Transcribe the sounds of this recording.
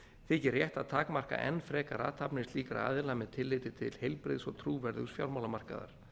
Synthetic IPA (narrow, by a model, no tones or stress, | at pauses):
θɪcɪɾːjɛht̪aðt̪ʰaːkmar̥ka̰ʔɛ̰nːfɾɛːkaɾa̰ːt̪ʰapnɪsliːkaɾa̰ːðɪlamɛðt̪ʰɪlːɪːt̪ɪt̪ʰɪlhejlpɾɪ̰ðsɔ̰ɣt̪ʰɾuːvɛɾðʏsfjawɾmawlamar̥ka̰ða̰ɾ̥